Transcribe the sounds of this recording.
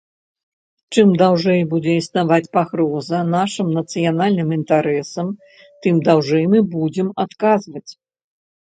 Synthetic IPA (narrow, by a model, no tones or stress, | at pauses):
t͡ʂɨmd̪awʐɛjbud͡zʲɛisnavat͡sʲpaɣɾɔzɐnaʂɨmnɐt̪sɨjanalʲnɨmint̪aɾɛsɐm | t̪ɨmd̪awʐɛjmɨbud͡zʲɛmat̪kazvɐt͡sʲ